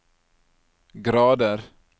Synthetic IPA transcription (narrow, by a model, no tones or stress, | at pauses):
ɡɾɑːd̪əɾ